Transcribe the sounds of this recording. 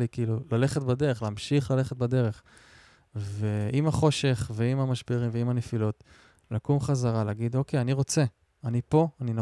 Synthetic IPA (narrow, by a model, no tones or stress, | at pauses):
likiilulale̞χetbad̪e̞ʁeχleːmʃiχlale̞χet̚bad̪e̞ʁe̞χ | ve̞imaχo̞ʃe̞χveimamaʃbeʁimveimanefilo̞t | lakumχazaʁalaːɡid̪o̞kejaniʁo̞t͡se̞ | anipo̞anino